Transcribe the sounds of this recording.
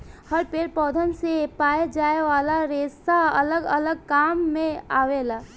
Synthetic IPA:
həɾpeːɾpɔːd̪ʱənsepaːed͡ʒaːeʋaːlaɾeːsaɐ̰ləɡə̰ləɡ̚kaːmːẽaːʋeːlaː

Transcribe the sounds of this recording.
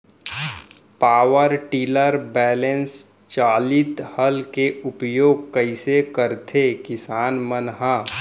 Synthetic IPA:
paːwəɾʈiːləɾbɛːlẽns | t͡ʃaːlɪt̪həlkeʊpjoːɡ̚kəɪsekəɾt̪ʰekɪsaːnmənɦa

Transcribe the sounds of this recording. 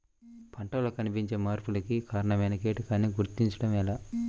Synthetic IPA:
pʰɐɳʈɐlokɐnipiɲt͡ʃe̞ːmaːɾpulɐkikaːɾɐɳɐmɐjnɐkeːʈɐkaːnːiɡuɾt̪iɲt͡ʃɐɽɐmɛlaː

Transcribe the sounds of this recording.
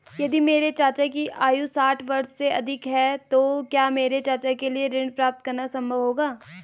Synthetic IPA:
jɐd̪imeːɾet͡ʃaːt͡ʃakiʔaːjusaːʈʰʋɐɾsːeʔɐd̪ʱɪkɦɛt̪okjaːmeːɾet͡ʃaːt͡ʃakelieɾɪ̃ɳɖpɾaːp̚t̪̚kɐɾnasɐ̃mbʱəʋɦoːɡaː

